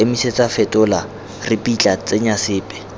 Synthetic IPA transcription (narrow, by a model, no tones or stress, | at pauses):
emiset͡sʼafɛtʼʊla | rɪpʼit͡ɬʼat͡sʼeɲasɪːpʼɛ̥